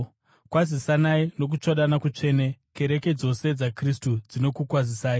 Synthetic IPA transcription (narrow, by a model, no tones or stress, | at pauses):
kwazisanaino̞k̬ut͡ʂoɗanakut͡ʂe̞ːneke̞ɾe̞ke̞d͡zo̞se̞d͡zakristud͡zino̞kukwazisaːi